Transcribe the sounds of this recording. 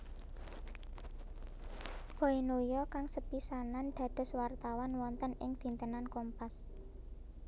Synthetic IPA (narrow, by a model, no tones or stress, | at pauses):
ɡ̥ɔinojɔkaŋsəpisananɖ̪̥ä̤ɖ̪̥ɔ̤swart̪awɔnwɔnt̪ənɪŋd̪̥i̤nt̪ənankɔmpas